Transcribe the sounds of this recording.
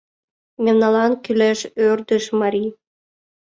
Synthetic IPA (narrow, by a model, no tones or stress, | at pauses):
memnɑlɑnkyleʃørd̪əʃmɑɾi